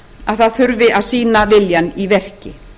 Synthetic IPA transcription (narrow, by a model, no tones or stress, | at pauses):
aðθaðθʏɾvɪʔaðsiːnavɪljanivɛr̥cɪ